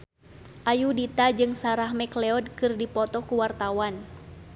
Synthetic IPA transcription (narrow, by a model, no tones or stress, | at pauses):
ʔajudit̪ad͡ʒɨŋsaɾahmɛklɛɔd̚kɨrdipɔt̪ɔkuwart̪awan